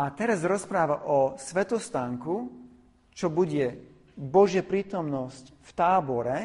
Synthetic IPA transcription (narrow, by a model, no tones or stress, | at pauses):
at̪ɛɾazɾɔspɾaːʋaʔɔsʋɛt̪ɔst̪aŋku | t͡ʃɔbuɟɛ | bɔʒɪapɾiːt̪ɔmnɔscft̪aːbɔɾɛ